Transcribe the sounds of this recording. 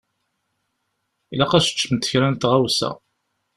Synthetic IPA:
ilæqæʃə̥t͡ʃːəmt̪ːəçɾænt̪ʁawsæ̰

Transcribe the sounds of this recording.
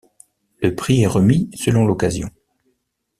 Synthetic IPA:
ləpχiɛʁəmisəlɔ̃lɔkazjɔ̰̃

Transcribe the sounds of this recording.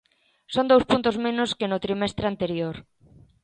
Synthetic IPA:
sond̪owspunt̪ʊzmẽnʊskɪnʊt̪ɾimɛst̪ɾeant̪eɾjoɾ

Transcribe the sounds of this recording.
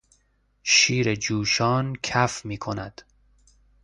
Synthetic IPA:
ʃiːɾed͡ʒuːʃɒːnkʰæfmiːkʰonæd̪̥

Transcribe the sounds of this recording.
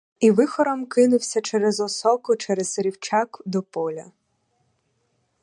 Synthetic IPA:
iʋɪxɔɾɔmkɪnʊwsʲɐt͡ʃɛɾɛzɔsɔkʊt͡ʃɛɾɛz̥ɾʲiwt͡ʃɑkd̪ɔpɔlʲɐ

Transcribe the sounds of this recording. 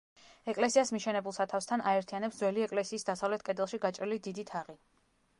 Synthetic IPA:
ɛkʼlɛsiasmiʃɛnɛbulˠsat̪ʰafst̪ʰanʔaɛɾt̪ʰianɛpszwɛliɛkʼlɛsiːsd̪asavlɛt̪̚ʰkʼɛd̪ɛlˠʃiɡat͡ʃʼɾilid̪id̪it̪ʰaʁi

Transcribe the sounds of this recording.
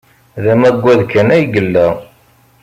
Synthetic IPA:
ðæmæɡʷːæðkːænæjɡəlːæ

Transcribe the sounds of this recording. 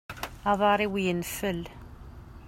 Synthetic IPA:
ɑðˤɑɾˤiwjənfəl

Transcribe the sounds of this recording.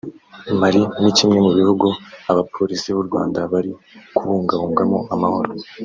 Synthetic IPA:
maɾinicimŋe̞muβihuɡuaβapʰo̞ɾisiβuɾɡwa̰ːndaβaɾi | kuβuːŋɡaβuːŋɡamoʔamaho̞ɾo

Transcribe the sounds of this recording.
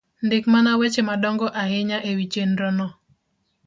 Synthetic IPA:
ndɪkmanawet͡ʃemadɔŋɡɔʔaɦɪɲaʔewit͡ʃenɾɔnɔ

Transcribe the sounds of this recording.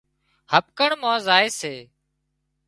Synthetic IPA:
həp̚kəɳmãːzaːeːseː

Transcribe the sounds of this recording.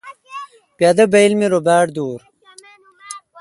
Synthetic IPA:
pjad̪ɐbejlmiɾobaːɽd̪uːɾ

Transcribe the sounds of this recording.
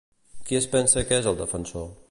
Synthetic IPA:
kiespɛnsəkezəlˠd̪əfənso

